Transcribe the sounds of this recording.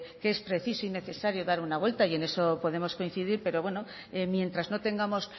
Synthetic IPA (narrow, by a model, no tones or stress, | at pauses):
kee̞spɾe̞θisoine̞θe̞saɾjoðaɾunaβwe̞lt̪aie̞ne̞so̞po̞ðe̞mo̞skoin̟θiðiɾpe̞ɾo̞βwe̞no̞ | emje̞nt̪ɾazno̞t̪e̞ŋɡamo̞s